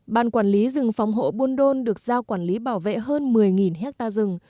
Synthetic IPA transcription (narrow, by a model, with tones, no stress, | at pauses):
ɓaː˧˩nkwaː˧˩nli˨˦zɨ˨˩ŋfa˨˦wŋ͡mɦo̰˧˨ɓu˧ənɗo˧nɗɨ˨˩ək̚zaː˧wkwaː˧˩nli˨˦ɓaː˧˩wvḛ˧˨ɦəː˧nmɨ˨˩əjŋi˨˩nɦɛ˦˥k̚t̪aː˧zɨ˨˩ŋ